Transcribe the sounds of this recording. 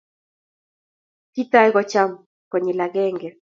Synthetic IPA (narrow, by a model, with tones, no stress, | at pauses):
ki˦ta˦jɣɔ˦t͡ʃa˦m | kɔ˨ɲɛ˨la˨ɡɛ˦ŋɡɛ˨